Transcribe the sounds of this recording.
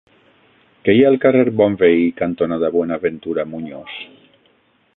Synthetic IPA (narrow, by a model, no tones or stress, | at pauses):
keialkareɾbɔɱveikant̪onaðaβwenaːβent̪uɾamuɲos